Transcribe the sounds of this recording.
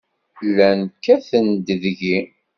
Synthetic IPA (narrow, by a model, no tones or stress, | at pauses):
lːænkːæθənd̪əðʝi